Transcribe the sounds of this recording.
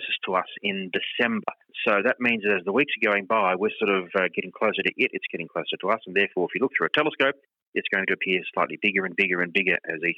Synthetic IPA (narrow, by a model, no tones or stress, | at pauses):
sɨstʰəʌsɪ̃ndɨsɛ̃mbə̰˞ | soʊðɨt̚mĩnzðɨɾɨzðəwiksəɡoʊɪ̃ŋbaɪwɪɹsɔɹɾʌvʌɡɛɾɪ̃ŋkʰl̥oʊsə˞ɾɨʔɪɾɨtsɡ̥ɛɾɪ̃ŋkʰl̥oʊsə˞ɾəʌsn̩ðɛɹfɔɹɨfjɨlʊk̚θɹʉɨtʰɛlˠəskoʊp̚ | ɨtsɡ̥ʌ̃ʊɪ̃ŋtɨpʰɪɹ̥slaɪtˡlibɪɡə˞ɨ̃nbɪɡə˞ɨ̃nbɪɡə˞ʔɨ̰zi